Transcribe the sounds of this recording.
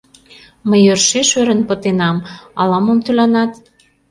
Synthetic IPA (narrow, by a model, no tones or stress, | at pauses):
məjørʃeʃøɾə̆npɤ̆t̪enɑmɑlɑmomt̪ylɑnɑt̪